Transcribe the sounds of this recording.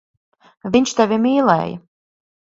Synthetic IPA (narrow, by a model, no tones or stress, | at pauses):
viɲt͡ʃt̪avʲimiːlˠɛ̰ːjɐ̰